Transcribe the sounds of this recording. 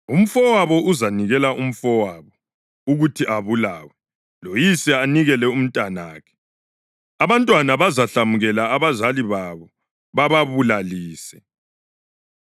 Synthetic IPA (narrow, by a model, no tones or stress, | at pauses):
um̩fɔwaβɔʔuzaniɣɛlaʔum̩fɔwaβɔ | uɣutʰiʔaβulaːwɛ | lojisɛaniɣɛlɛum̩tʼanaːkʰɛ̥ | aβantʼwanaβazaɬamuɣɛlaːβazaliβaβɔ | βaβaβulaliːsɛ